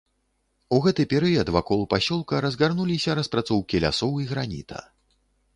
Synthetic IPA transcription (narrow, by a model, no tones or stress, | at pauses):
uɣɛt̪ɨpʲɛɾɨjɐd̪vakɔlˠupasʲɔlˠkɐɾɐzɣarnulʲisʲɐɾɐspɾat̪sɔwkʲilʲa̰sɔwiɣɾanʲḭt̪ʰɐ̰